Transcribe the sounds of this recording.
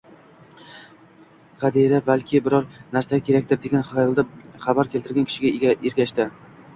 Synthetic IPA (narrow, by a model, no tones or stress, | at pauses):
qɑd̪iɾabalkʲʰɪbɪɾɒɾnaɾsaɡʲakʲʰe̞ɾak̚ʲt̪ɪɾd̪eɡʲanχajɒlˠd̪aχabaɾkʲʰelt̪ɪɾɡʲankʰɪ̥ʃɪɡʲaɡʲaeɾɡʲaʃt̪ɪ